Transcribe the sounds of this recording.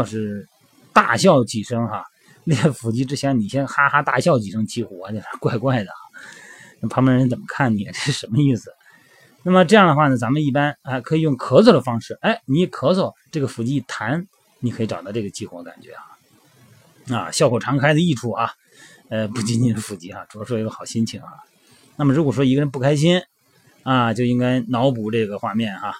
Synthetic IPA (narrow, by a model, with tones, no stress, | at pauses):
ʊʂɻ̩˥˧ | t̪a̰˥˧ɕjɑ˥˧ʊt͡ɕi˨˩ʂɤ˥ŋxɐ˧ | li˥˧˩jɛ˥˩fu˧˥˩t͡ɕi˥ʈ͡ʂɻ̩˥t͡ɕʰjɛ˧˥nni˨˩ɕjɛ˥nxa˥xa˥t̪a̰˥˩ɕjɑ˥˧ʊt͡ɕi˨˩ʂɤ˥ŋ˧t͡ɕʰi˧˥˩xwɔ˧˥˧t͡ɕjʊʂɻ̩˥˧kwa˥˧ɪkwa˥˩ɪd̪ə˩ɐ̰˩na˥m˩pʰɑ˥mə˧˥˧t͡sə˨˩mə˦kʰa˥˩nni˨˩ɛ˧˩ʈ͡ʂɤ˥˧ʂɻ̩˥˧˩ʂə˧˥nmə˧i˥˩sɹ̩˩ | na˥˩mə˩ʈ͡ʂɤ˥˧jɑ˥˩ŋd̪ə˩xwa˥˩nə˩t͡sa˧˥mə˧ni˥˩pa˥nɐ˧kʰɤ˧˥i˨˩jʊ˥˩ŋkʰɤ˧˥t͡swɔ˥˩d̪ə˩fɑ˥ŋʂɻ̩˥˩a˥˩ɪni˧˥˩kʰɤ˧˥t͡swɔ˥˩ʈ͡ʂɤ˥˩ɡə˩fu˧˥˩t͡ɕi˥˩t̪ʰa˧˥n | ni˨˥kʰɤ˧˥i˧˥˩ʈ͡ʂɑ˨˩ʊt̪ɑ˥˧ʈ͡ʂɤ˥˩ɡə˩t͡ɕi˥˩xwɔ˧˥˧ka˨˩nt͡ɕɥɛ̰˧˥a˥˩ | a̰˧ɕjɑ˥˧ʊkʰo˨˩ʈ͡ʂʰɑ˧˥ŋkʰa˥ɪd̪ə˧i˥˧ʈ͡ʂʰu˥˩xɐ˧ | ə˧pu˥˩t͡ɕi˥ni˧˩d̪ə˧˩fu˧˩t͡ɕi˧˥xa˧ʈ͡ʂu˨˩ɑ˧˥ʂwɔ˥i˧˥ɡə˧xɑ˨˩ʊɕi˥nt͡ɕʰi˧˥ŋxa̰˩ | na˥˩mə˩ɻu˧˥kwɔ˨˩ʂwɔ˥i˧˥ɡə˧ɻə˧˥np̬u˥˩kʰa˥ɪɕ̬i˥n | a˧t͡ɕjo˥˧ʊi˥ŋka˥ɪnɑ˧˥ʊp̬u˨˩ʈ͡ʂɤ˥˩ɡə˩xwa˥˧mjɛ˥˩nxa˩